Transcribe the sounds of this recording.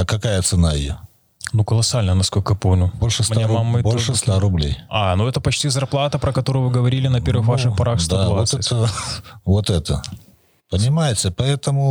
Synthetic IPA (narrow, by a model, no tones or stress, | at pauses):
kɐkajət̪sɨnaɪje | nukəlˠɐsalʲnəjnɐskolʲkəjapomnʲʊbolʲʂɨsmɐt̪jammamːəbolʲʂɨsaɾʊblʲḛjanuɛt̪əpɐt͡ɕtʲizɐrplˠat̪əpɾəkɐt̪o̞ɾʊjʊvɨɡəvɐɾʲilʲɪnɐpʲe̞rvɨxvaʂɨxpɐɾaxst̪aot̪ɛt̪əvot̪ɛt̪ə | pənʲɪmajɪtʲɪpɐɛt̪əmʊ